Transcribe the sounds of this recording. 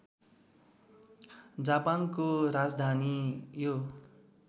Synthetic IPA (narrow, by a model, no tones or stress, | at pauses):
d͡zapankoɾad͡zd̪ʱanijo